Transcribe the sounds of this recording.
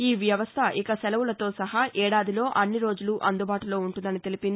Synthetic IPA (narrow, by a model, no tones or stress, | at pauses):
iːʋjɐʋɐst̪ʰɐʔikɐsɛlɐʋulɐt̪o̞ːsɐɦɐʔɛːɽaːd̪ilo̞ːʔɐnːiɾo̞ːd͡ʒuluʔɐnd̪ubaːʈulo̞ːuɳʈund̪ɐnit̪e̞lipind̪i